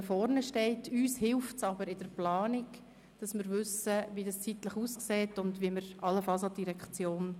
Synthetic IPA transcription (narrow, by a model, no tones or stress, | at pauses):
fɔɾnəʃtɛɪtʰyːshɪlftsɑbəɾɪd̥əɾplɑːnɪk | d̥ɑsmɪɾʋʏsəʋidɑst͡sitləχuːskseːtʊndʋiməɾɑlːəfɑlsɑt̚diɾɛkt͡sjoːn